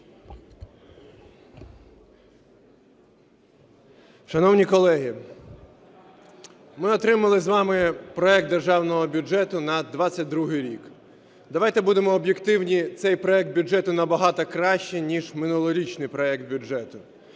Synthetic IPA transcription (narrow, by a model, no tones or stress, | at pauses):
ʃɐnɔwnʲikɔlˠɛɦi | mɪɔt̪ɾɪmɐlˠɪzʋɑmɪpɾɔɛk̚t̪d̪erʒɑwnɔɦɔbʲʊɛt̪ʊnɐd̪ʋɑt͡sʲːɐt̚ʲd̪ɾuɦɪjɾʲik | d̪ɐʋɑjt̪ɛbud̪emɔːbjekt̪ɪwnʲit̪sɛjpɾɔɛk̚t̪bʲʊʐɛt̪ʊnɐbɐɦɑt̪ɐkɾɑʃt͡ʃɛnʲiʒmɪnulˠɔɾʲit͡ʃnɪjpɾɔɛk̚t̪̚bʲʊd͡ʒɛt̪ʊ